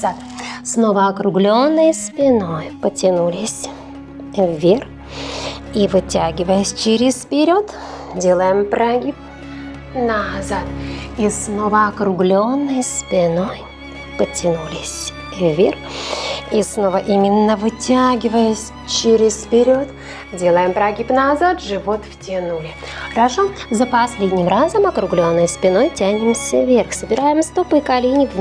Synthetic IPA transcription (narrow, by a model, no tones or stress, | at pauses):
zat̪ | snovəɐkɾʊɡlʲo̞nːəjspʲɪno̞jpətʲɪnulʲɪsʲ | vːʲer | ivɨtʲaɡʲɪvəjəsʲt͡ɕɪɾʲɪspʲɪɾʲot̪ | dʲelˠəjɪmpɾaɡʲip | nɐzat̪̚isnovəɐkɾʊɡlʲonːɨjspʲɪno̞j | pətʲɪnulʲɪsʲ | vʲerx | isno̞vəʔimʲɪnːəvɨtʲaɡʲɪvəjəsʲ | t͡ɕɪɾʲɪspʲɪɾʲo̞t̪ | dʲe̞lˠəjɪmpɾɐɡʲipnɐzat̪ʐɨvo̞t̪ftʲɪnulʲɪxəɾɐʂozəpɐsʲlʲedʲnʲɪmrazəmɐkɾʊɡlʲo̞nːɨjspʲɪno̞jtʲænʲɪmsʲəvʲerxsəbʲɪɾajɪmst̪opɨkalʲinʲɪk